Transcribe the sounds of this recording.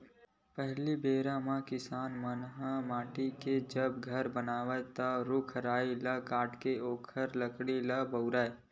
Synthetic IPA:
pəɦlibeːɾamãkɪsaːnmənɦəmaːʈiked͡ʒəbɡʱəɾbənaːʋət̪əɾʊkʰɾaːilɐkaːʈkeoːkʰəɾləkɽilabəʊɾaːe

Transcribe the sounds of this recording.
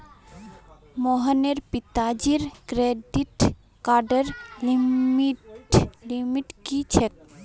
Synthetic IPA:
moɦəneɾpit̪ad͡ʒiɾkɾeɖiʈ | kaɾɖəɾlimiʈlimiʈkit͡ʃʰek̚

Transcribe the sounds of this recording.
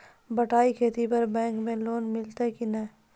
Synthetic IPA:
bɐʈaːikʰeːt̪ipɐɾbɛ̃ːŋkmẽloːnmɪlt̪akinɐ

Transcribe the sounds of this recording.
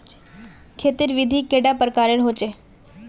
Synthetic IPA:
kʰet̪iːɾʋid̪ʱiːkeɽjapɾəkaɾeɾɦot͡ɕe

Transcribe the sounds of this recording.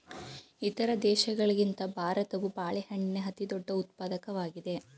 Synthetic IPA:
it̪ɐɾɐd̪ɛːʃɐɡɐɭɐɡint̪ɐbʱaːɾɐt̪ɐʋubaːɭihɐɳɖinɐɦɐt̪id̪ɔɖːɐut̪̚paːd̪ɐkɐʋaːɡid̪e̞

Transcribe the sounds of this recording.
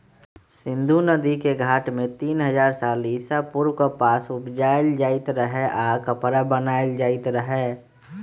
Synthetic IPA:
sɪ̃nd̪ʱunəd̪ikeɡʱaːʈmẽt̪iːnɦəd͡ʒaːɾsaːlisapʊɾʋkopaːsʊpd͡ʒaːɪld͡ʒaːɪt̪ɾəɦeʔakəpɾabənaːɪld͡ʒaːɪt̪ɾəɦɛː

